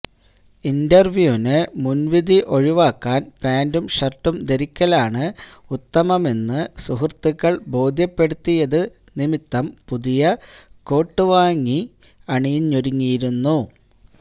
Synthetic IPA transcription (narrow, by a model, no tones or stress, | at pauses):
indɐrʋjuːnɨmunʋiðiʔo̞ɻiʋaːkːaːnpaːndumɕɐrʈːumd̪eɾikʲːɐlaːɳɨ | ut̪ːɐmɐmenːɨsuɦrt̪ːiɣɐɭbo̞ːd̪ʱjɐpːe̞ɽut̪ːijɐðɨ | nimit̪ːɐmpuðijɐko̞ːʈːɨʋaːŋːi | ɐɳijɲːoɾiŋːijiɾunːu